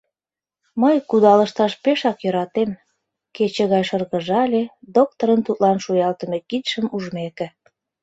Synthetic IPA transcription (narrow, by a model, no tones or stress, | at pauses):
məjkud̪ɑlə̆ʃt̪ɑʃpeʃɑkjøɾɑt̪em | ket͡ɕĕɣɑjʃɤrɣəʒɑlʲed̪ok̚t̪oɾənt̪ut̪lɑnʃujɑlt̪əmekit̪ʃəmuʒmekĕ